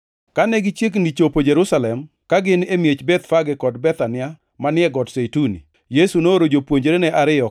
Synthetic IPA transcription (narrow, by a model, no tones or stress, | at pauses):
kanɛɡɪt͡ʃjeknit͡ʃopod͡ʒeɾusalɛm | kaɡɪnemjet͡ʃbɛt̪faɡɪkɔdbɛt̪anɪa | manɪɛɡɔdsejtunḭ | jesunoɾod͡ʒopwoɲd͡ʒɾenɛʔaɾɪɔ